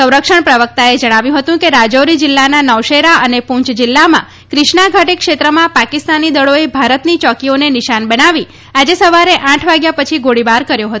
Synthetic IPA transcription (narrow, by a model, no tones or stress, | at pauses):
sə̃w̃ɾəkʂəɳpɾəʋək̚t̪aed͡ʒəɽ̃aʋjũɦət̪ũkeɾad͡ʒoɾid͡ʒɪlːananəwʃeɾaʔənepũɲt͡ʃd͡ʒɪlːamã̰ | kɾɪʃɳaɡʱəʈikʃet̪ɾəmãpakist̪anːid̪əɭoebʱaɾət̪nit͡ʃɔkionenɪʃanbəɽ̃aʋi | ad͡ʒesəʋaɾeʔãʈʰʋaɡjapət͡ʃʰiɡoɽibaɾkəɾjoɦət̪õ